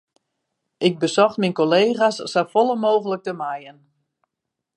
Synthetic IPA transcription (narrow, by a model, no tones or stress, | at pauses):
ʔɪɡ̚bəsɔxtminkoleːɣasːafɔlˠəmoːɣələk̚təmajən